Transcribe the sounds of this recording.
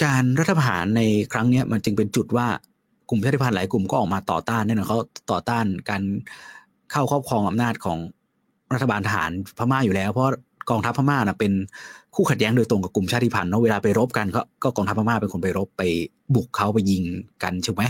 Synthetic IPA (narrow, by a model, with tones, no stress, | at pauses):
kaː˧nɾa˦˥t̪ʰːa˧˩ɦa̰ː˩˦nːa˧jkʰɾa˦˥ŋni˦˥ɐma˧nt͡ɕɯ˧ŋpe˧nt͡ɕu˨˩t̪̚waː˥˩ | ku˨˩mt͡ɕʰaː˥˩t̪ʰi˥˩pʰnlaː˨˦jku˨˩mkɔː˥˩ʔɔː˨˩k̚maː˧t̪ɔ̰ː˨˩t̪aː˥˩nː˥˩˨nɔ˧˥˩kʰa˦˥wt̪ɔː˨˩t̪aː˥˩nkaː˧n | kʰa˥˩wkʰɔː˥˩p̚kʰɔː˧ŋʔa˧mnaː˥˩t̪̚kʰɔ̰ː˩˦ŋ | ɾt̪ʰːbaː˧nt̪ʰa˧ɦa̰ː˩˦npʰaː˧˥˩maː˥˩juː˨˩lɛː˦˥wpʰɔ˦waː˥˩ | kɔː˧ŋt̪ʰa˦˥pʰːaː˧˥maː˥˩na˨˩pe˧nkʰuː˥˩kʰa˨˩t̪̚jɛː˦˥ŋdoː˧jt̪ɾo˧ŋka˨˩p̚ku˨˩mt͡ɕʰaː˥˩t̪ʰi˧˥˩pʰa˧nːɔ˦˥weː˧laː˧pa˧jɾo˦˥p̚ka˧nkʰɔ˥˩kɔː˥˩kɔː˧ŋt̪ʰa˦˥pʰːa˧maː˥˩pe˧kʰo˧npa˧jɾo˦˥pːa˧j | bu˨˩kʰːa˦˥wpa˧jːi˧ŋka˧nt͡ɕʰɯː˧˥˩ma˦˥j